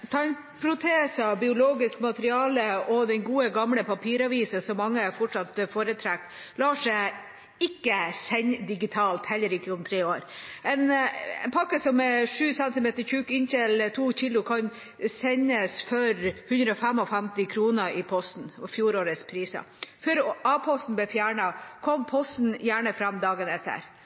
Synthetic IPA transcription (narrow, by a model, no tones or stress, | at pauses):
t̪ʰɑːɛn | pʰɾʊt̪ʰeːsɑbɪʊloːɡɪskmɑt̪əɾɪɑːləɔd̪ɛnɡuːəɡɑmləpʰɑpʰiːɾɑʋiːsəsɔmːɑŋːəɛfɔʈʂɑt̪foːɾət̪ʰɾæk̚t̪ | lɑːʂæ | ɪkːəsɛɲd̪ɪɡɪt̪ʰɑːlt̪hɛlːəɾɪkːəʊmt̪ʰɾeːoːɾɛnɛ̰npʰɑkːəsɔmɛʂʉːsɛnt̪ɪmeːt̪əɾçʉːkɪnçɛlt̪ʰuːçɪlːʊkʰɑn | sɛɲːəsfœɾhʉnd̪ɾəɔfɛmɔfæmt̪ɪkʰɾuːnəʔɪpʰɔst̪n̩ɔfjuːɾoːɾəspʰɾiːsə̰fœɾɑːpʰɔst̪n̩blɛfjæːɳɑkʰɔmpʰɔst̪n̩jæːɳəfɾɑmːd̪ɑːɡənɛt̪ʰːə̰ɾ